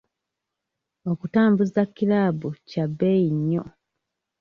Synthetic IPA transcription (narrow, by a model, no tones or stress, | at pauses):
okutaːmbuzakːilaːbucabːejiɲːo̰